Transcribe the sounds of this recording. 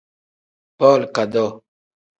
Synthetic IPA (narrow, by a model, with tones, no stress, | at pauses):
pɔ˦˨lka˨dɔ˦˨